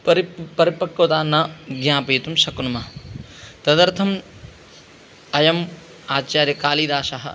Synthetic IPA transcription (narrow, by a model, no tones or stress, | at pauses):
pɐɾipɐɾipɐkːɐʋt̪aːnɐɡɲaːpɐjt̪umʃɐkunumɐɦɐ | t̪ɐd̪ɐɾt̪ʰɐm | ɐjɐm | aːt͡ʃaːɾjɐkaːliːd̪aːʃɐɦɐ̰